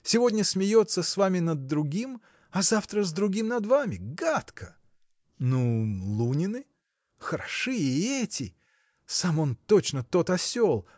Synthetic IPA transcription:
sʲɪvo̞dʲnʲəsmʲɪjot̪səsvamʲɪnəd̪ːɾʊɡʲim | ɐzaft̪ɾəzd̪ɾʊɡʲimnɐd̪vamʲɪɡat̪kʰə | nulˠunʲɪnɨ | xəɾɐʂɨɪɛtʲɪ | samo̞nt̪o̞t͡ɕnət̪o̞t̪ɐsʲolˠ

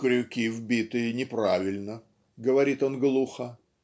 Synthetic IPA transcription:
kɾʲʉkʲivbʲit̪ɨjənʲɪpɾavʲɪlʲnə | ɡəvɐɾʲit̪o̞nɡlˠuxə

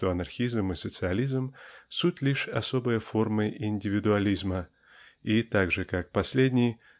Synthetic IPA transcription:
oɐnɐrxʲizmɨsət̪sɨɐlʲizmsutʲlʲiʂɐso̞bɨjəfo̞rmɨɪnʲdʲɪvʲɪd̪ʊɐlʲizmə | it̪aɡʐɨkak̚pɐsʲlʲedʲnʲɪj

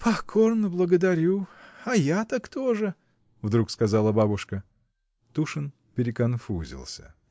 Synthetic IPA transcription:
pʰɐkʰo̞rnəblˠəɡəd̪ɐɾʲuɐjat̪akt̪oʐɨ | vd̪ɾukskɐzalˠəbabʊʂkə | t̪uʂɨn | pʲɪɾʲɪkɐnfuzʲɪ̰lˠsʲə̰

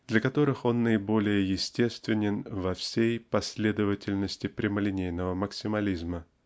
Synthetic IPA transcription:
d̪̥lʲɐkɐt̪o̞ɾɨxo̞nːəɪbo̞lʲɪjəjɪsʲtʲe̞st̪vʲɪnʲɪnvɐfsʲejpɐsʲlʲe̞d̪əvətʲɪlʲnəsʲtʲɪpɾʲɪməlʲɪnʲejnəvəməksʲɪmɐlʲizmə

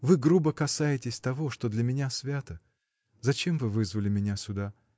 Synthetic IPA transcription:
vɨɡɾubəkɐsajɪtʲɪsʲt̪ɐvo̞ʂt̪o̞d̪lʲəmʲɪnʲasvʲat̪ə | zɐt͡ɕe̞mvɨvɨzvəlʲɪmʲɪnʲasʲʊd̪a

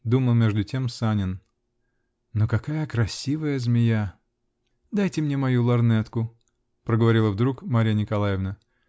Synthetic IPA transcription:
d̪uməlˠmʲe̞ʐd̪ʊtʲe̞msanʲɪn | nokɐkajəkɾɐsʲivəjəzmʲɪja | d̪ajtʲɪmnʲemɐjulˠɐrnɛt̪kʊ | pɾəɡəvɐɾʲilˠəvd̪ɾukmaɾʲɪjənʲɪkɐlˠajɪvnə

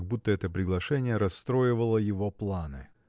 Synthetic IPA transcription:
ɡ̚but̪ːəɛt̪əpɾʲɪɡlˠɐʂɛnʲɪjəɾɐst̪ɾo̞jɪvəlˠəjɪvo̞plˠanɨ̰

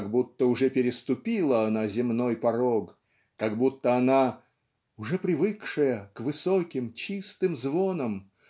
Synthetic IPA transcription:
ɡbut̪ːəʊʐɛpʲɪɾʲɪst̪ʊpʲilˠəɐnazʲɪmnojpɐɾok | kɐɡbut̪ːəɐna | ʊʐɛpɾʲɪvɨkʂɨjəkvɨsokʲɪmt͡ɕist̪ɨmzvonəm

